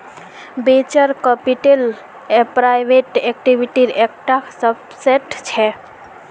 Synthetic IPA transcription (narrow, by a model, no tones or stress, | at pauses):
bet͡ʃəɾkəpiʈel | pɾajbeʈek̚ʈibʱiʈiɾek̚ʈasəb | seʈt͡ʃʰɛ